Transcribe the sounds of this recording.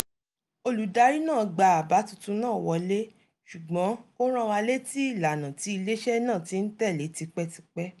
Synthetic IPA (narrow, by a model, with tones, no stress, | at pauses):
o˧lu˨da˧˦ɾi˦nãː˦˨ɡ͡ba˧˨a˨ba˨˦tu˦˧tũ˧nãː˦˨wɔ˧le˦ | ʃu˨ɡ͡bɔ̃˨˦ko˦ɾ̃ã˦wa˧le˦ti˦i˦˨la˨nã˨ti˨˦i˧le˦ʃɛ˦nãː˦˨ti˧˦n̩˦tɛ˦˨le˨˦ti˧k͡pɛ˦ti˧k͡pɛ˦